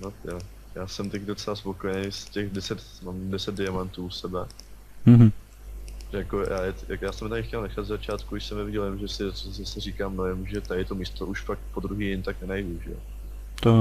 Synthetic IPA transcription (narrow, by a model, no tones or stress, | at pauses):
noja | jaːsɛmt̪akdo̞t͡sɛlaspo̞kojɛnejscɛxdɛsɛt̪ | mamdɛsɛt̪̚dɪamant̪uːsɛbɛ | m̩ɦ̩ | ʒɛjakojʔaːjɛjakjaːsɛmt̪akɪxcɛlnɛxad̪zzat͡ʃaːt̪kuɪʃsɛmnɛvɪɟɛlvɛmʒɛsɪzasɛriːkaːmnojɛmʒɛt̪aɛt̪o̞miːst̪oʔuʃfak̪̚po̞d̪ɾuɦiːjɪnt̪aknɛnajduʒɛ̰jo̰ | t̪o